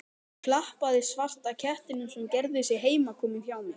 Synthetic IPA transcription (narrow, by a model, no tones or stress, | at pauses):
kʰlahpaðɪsvar̥t̪acʰɛht̪ɪnʏmsɛmcɛɾðʏsjɛɦeːjmakʰɔːmɪnfjaːwnʏ